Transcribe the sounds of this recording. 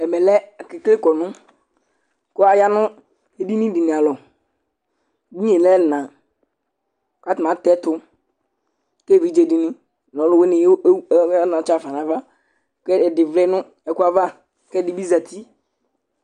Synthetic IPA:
ɛ˨mɛ˨lɛ˦˨kɪ˨kle˦kɔ˨nʊ̃˦ | kʊ˦a˨ja˦nʊ˦ | e˨di˦nĩ˦di˨ni˨a˨lɔ˨ | bi˦ɲe˨lɛ˦˨nã˨ | ka˦tɪ˨ã˨˦tɛ˦tʊ˦ | ke˦˨vi˨˦d͡ʒe˦˨di˦nĩ˦˨ | lɔ˨˦lʊ˦we˦nɪ˨˦nã˨t͡ʃa˨fa˨nã˨va˦ | kɛ˦˨dɪ˨vlɛ˦nʊ̃˦ | ɛ˨kʊ˦a˦va˦ | kɛ˦di˦bi˦za˨t̪ʰi˦

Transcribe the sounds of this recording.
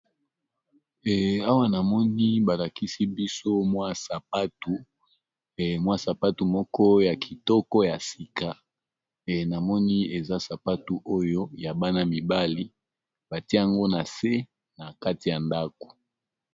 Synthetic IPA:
ɛ˨a˦wa˦na˨mɔ˦ni˦ba˨la˨ki˦si˦bi˦so˦mwa˦sa˨pa˦tu˨ | mwa˦sa˨pa˦tu˨mɔ˦kɔ˦ja˨kʰi˨tɔ˦kɔ˦ja˨si˨ka˨ | na˨mɔ˦ni˦e˨za˦sa˨pa˦tu˦o˦jo˦ja˨ba˦na˦mi˨ba˦li˦ | ba˨ti˦a˦˨ŋɡo˦na˨se˦ | na˨ka˦ti˨ja˨nda˦ko̥˨

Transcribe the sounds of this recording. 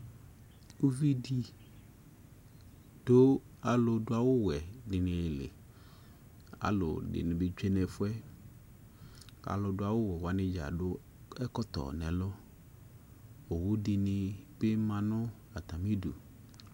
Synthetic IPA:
u˦vi˦di˨ | d̥o˦ | a˨lʊ˨dʊ˦a˨wʊ˦wɛ˨dɪ˨nɪ̃˨lɪ̰˨ | a̰˨lʊ̰˨dɪ̰˨nɪ̃˨bɪ˨t͡ʃᶣe˦nɛ˨fʊ˦ɛ˦ | a̰˨lʊ˨dʊ˦a˨wʊ˦wɛ˨wa˨˦nɪ̃˦d͡ʒa̰˨dʊ˦ | ɛ˦kɔ˦t̪ɔ̰˨nɛ̃˨lɔ˦ | o˨wʊ˦dɪ˨nɪ˨bɪ˦mã˨nʊ̃˦ | a˨t̪a˨mi˦dṵ˨

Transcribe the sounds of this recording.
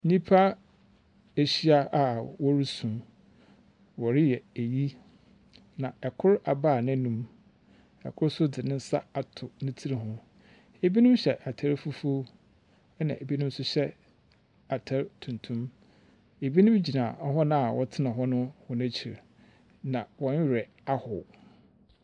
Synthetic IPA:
ɲĩ˦pʰa˦ | e˨ɕi˦a˦a˨wɔ˦ɾu˦sũ˨m | wɔ˨ɾɪ˦jɛ˨e˨ji˦ | nã˨ɛ˨kʰʊ˦ɾa˨baː˦˨nã˦nũ˦m | ɛ̰˨kʰʊ˦ɾsʊ˦dɪ˨nɪ̃˦n̩˦sa˦a˨tʰʊ˨nʊ̃˦tʰi˦ɾi˨ɦʊ̃˦ | e˨bi˦nʊ̃˦mɕɛ˨ʔa˨tʰa˦ɾfu˦fu˦ | ɛ˦nã̰˨ʔe˨bi˦nʊ̃˦m˦sʊ˦ɕɛ˦ | a˨tʰa˦ɾtʰũ˨ntʰũ˦m | e˨bi˦nʊ̃˦m˦d͡ʑi˨nãː˨ɔ˦ɦɔ˦nã˦a˨wʔɔ˦tʰɪ˦nã˨ɦɔ˦nʊ̃˦hɔ˨n˦t͡ɕʰi˨ɾ | nã˨wɔ˨ɲ˦˨ɾɛ˨ | a˦hʊ̰˨

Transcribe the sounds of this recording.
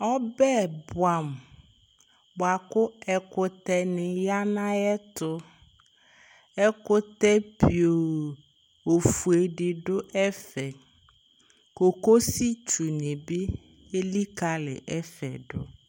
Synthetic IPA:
ɔ˦bɛ˦˨bʊ˨a˨m | bʊ˨a˨kʊ˦ɛ˨kʊ˨t̪ɛ˦nɪ̃˨ja˦nã˦ɛ˦t̪ʊ˦ | ɛ˦kʊ˦t̪ɛ˦pi˨o˨ | o˨fu˨e˨ɖɪ˨ɖʊ˦ʔɛ˦fɛ˨ | ko˨ko˦si˦t͡ʃu˨nɪ̃˨bɪ˦ | e˦li˦ka˨lɪ̰˨ʔɛ˦fɛ̰˨ɖʊ̰˦

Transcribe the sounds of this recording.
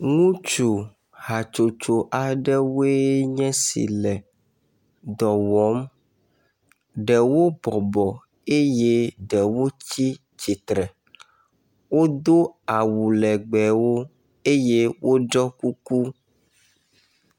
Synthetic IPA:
ŋũ˦t͡ʃu˨ | ha˨t͡ʃo˨t͡ʃo˨ʔa˨ɖɛ˦we˦ɲɛ̃˦sḭ˨lɛ˨ | d̪ɔ˨wɔ˨˦m | ɖɛ˨wo˦bɔ˨bɔ˨ | e˦je˦ɖɛ˨wo˦t͡ɕi˦ | t͡ɕi˨t̪ɾɛ˨ | wo˦d̪o˦a˨wu˨lɛ˨ɡ͡bɛ˨wo˦ | e˦je˦wʔo˦d͡ʒɔ˦ku˦ku˦

